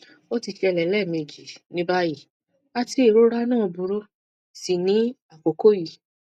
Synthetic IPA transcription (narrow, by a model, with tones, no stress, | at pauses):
o˦ti˧ʃɛ˧lɛ˨lɛ˦˨me˧˨d͡ʒi˨nĩ˦ba˦ji˦˨ | a˦ti˦e˦˨ɾo˦ɾa˦nãː˦˨bu˧˦ɾo˦ | si˨nĩ˨˦a˨ko˨ko˦˨ji˨